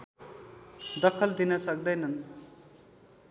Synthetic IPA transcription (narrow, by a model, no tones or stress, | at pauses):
d̪ʌkʰʌld̪inʌsʌk̚d̪ʌjnʌn